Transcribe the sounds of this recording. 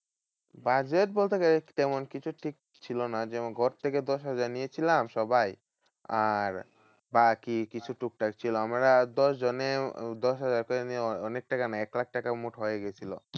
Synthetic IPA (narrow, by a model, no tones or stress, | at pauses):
bad͡ʑeʈ̚bolt̪ekaɾet̪ɛmonkit͡ɕʰuʈʰik̚ | t͡ɕʰilonad͡ʑɛɡʱɔɾt̪ʰeked̪ɔʃɦad͡ʑaɾnijet͡ɕʰilamʃɔbaj | aɾ | bakikit͡ɕʰuʈuk̚ʈakt͡ɕʰiloamɾad̪ɔʃd͡ʑoned̪ɔʃɦad͡ʑaɾkoɾenieɔɔnek̚ʈakanaɛklak̚ʈakamuʈɦoeɡet͡ɕʰilo̰